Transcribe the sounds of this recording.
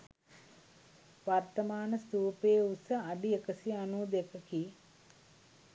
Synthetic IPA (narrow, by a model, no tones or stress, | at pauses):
ʋart̪əmaːnəst̪uːpeːusəaɖiekəsianuːd̪ekəki